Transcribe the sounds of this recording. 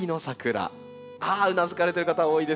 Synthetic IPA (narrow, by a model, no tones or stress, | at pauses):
ino̞sakɯ̟ɾa̰ | aːɯ̟nazɨkaɾe̞t̪e̞ɾɯkat̪aoːid̪e̞